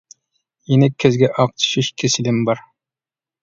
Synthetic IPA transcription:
jenɪkʲʰːezɡʲɛʔɑq̚t̪ʰy̥ʃiʃkʲʰesɪlɪmbɑɾ

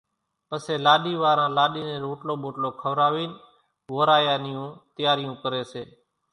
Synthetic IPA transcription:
pəseːlaːɗiːʋaːɾãːlaːɗiːnẽːɾoːʈloːɓoːʈloːkʰəʋɾaːʋiːn | ʋoːɾaːjaːnɪjũːt̪ɪjaːɾɪjũːkəɾeːseː

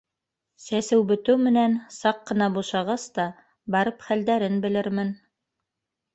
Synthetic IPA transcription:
sæsɘwbɵ̆t̪ɘwmɘ̆nænsɑqːɤ̆nɑbuʃɑʁɑst̪ɑ | bɑɾɤpχæld̪æɾɘnbɘ̆lɘɾmɘn

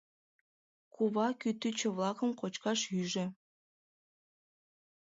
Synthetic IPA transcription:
kʰuβɑkyt̪yt͡ɕə̆βlɑkəmkot͡ɕkɑʃyʒĕ

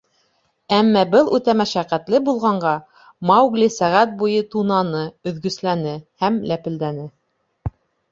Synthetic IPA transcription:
æmːæbɤlˠʉt̪æmæʃæqæt̪lɘbulˠʁɑɴɢɑ | mɑwɡlisæʁæt̪̚bujɤt̪unɑnɤɵ̆ðɡɵ̆slænɘhæmlæpɘ̆ld̪ænɘ

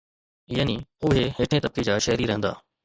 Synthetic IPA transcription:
jaːniʊɦeɦeːʈʰẽt̪əb̚ked͡ʑaːʃɐːɾiɾɐɦə̃nd̪a̰ː

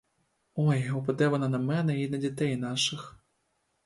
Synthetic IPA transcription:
ɔjupɐd̪ɛvɐnɐnɐmɛnɛinɐd͡zʲat̪ɛjnaʂɨx

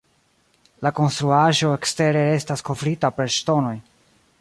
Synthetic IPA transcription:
lako̞nst̪ɾuaʒo̞eksteɾe̞ɾe̞stasko̞fɾitape̞ɾʃto̞no̞j

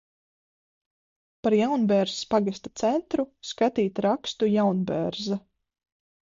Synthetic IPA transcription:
paɾjawnbɛɾzspaɡast̪at̪sɛnt̪ɾuskat̪iːt̪ɾakst̪ujawnbɛɾza

